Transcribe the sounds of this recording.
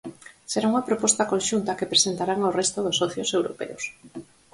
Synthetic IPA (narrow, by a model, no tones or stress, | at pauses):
seɾauŋapɾopɔst̪akõnʃunt̪akepɾesent̪aɾaŋorest̪oðosɔθjosewɾopḛʊs